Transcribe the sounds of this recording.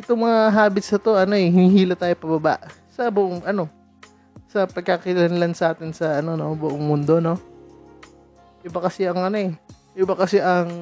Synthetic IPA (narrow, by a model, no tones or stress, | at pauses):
ʔɪt̪oŋmɐŋaɦaːbɪt̪sɐt̪o̞ʔɐno̞ɛɦɪniɦiːlɐt̪ːaːjopɐbɐba̰ʔ | sɐbʊʔoŋʔɐno̞ | sɐpɐɡ̚kakɪlɐlɐnlansɐʔaːt̪ɪnsɐʔɐno̞no̞bʊʔoŋmʊnd̪o̞no̞ | ʔɪbɐkɐsɛɐŋʔɐno̞ɛ | jɪbɐkɐsɛʔɐŋ